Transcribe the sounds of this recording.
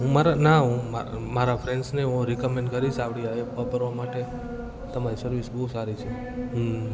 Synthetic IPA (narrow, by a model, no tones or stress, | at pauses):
ɦũmaɾanaɦũmamaɾapʰɾeɳɖsneɦũɾikɔmẽɳɖkəɾit͡ʃʰapɽiaepɔpəɾʋamaʈe | t̪əmaɾisəɾʋisbəɦusaɾit͡ʃʰe | ɦ